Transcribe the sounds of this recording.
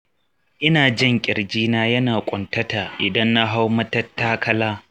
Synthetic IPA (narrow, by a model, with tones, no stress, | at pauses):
ʔɪ˦naː˨d͡ʒɪ˦˨ŋkʲʼɪ˨ɽd͡ʒiː˦naː˦jɐ˦naː˨kʷʼʊ˨ntɐ˦ta˨ʔɪ˨dɐ˦nːa˦ɦa˦wmɐ˦tɐ˦tːaː˦kɐ˦laː˦